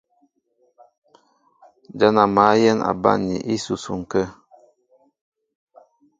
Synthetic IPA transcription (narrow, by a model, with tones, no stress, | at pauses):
d͡ʒa˦na˨ma˨˦jɛ˦na̰˨ba̰˦nḭ˨ʔi˦su˨su˨ŋ̩˨kə˦